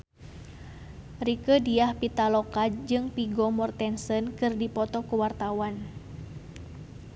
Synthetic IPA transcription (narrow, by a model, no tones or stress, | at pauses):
rikədiahpit̪alɔkad͡ʒɨŋpiɡɔmɔrt̪ɛnsənkɨrdipɔt̪ɔkuwart̪awan